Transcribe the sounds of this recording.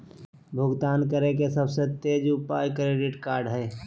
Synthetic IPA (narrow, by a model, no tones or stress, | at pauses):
bʱʊɡt̪aːnkəɾekesəbset̪eːd͡ʒʊpaːjkɾeːɖɪʈkaːɾɖɦɛː